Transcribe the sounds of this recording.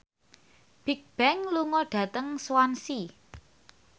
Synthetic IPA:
b̥ik̚b̥ɛŋluŋɔɖ̥a̤t̪əŋswansi

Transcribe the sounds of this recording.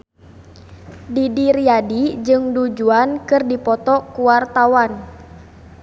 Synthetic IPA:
didiɾiadid͡ʒɨŋdud͡ʒuankɨrdipɔt̪ɔkuart̪awan

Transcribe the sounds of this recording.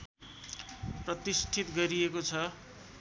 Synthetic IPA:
prʌt̪isʈʰit̪ɡʌɾiekot͡sʰʌ

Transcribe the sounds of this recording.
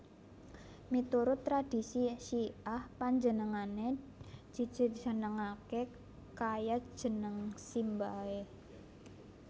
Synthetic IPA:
mit̪uɾʊt̪ːɾad̥i̤siʃiahpaɲd͡ʒənəŋane̥ | d͡ʒ̥i̤̥d͡ʒ̥ə̤̥d͡ʒ̥ə̤nəŋake | kajḁʒ̥ə̤nəŋsimbae

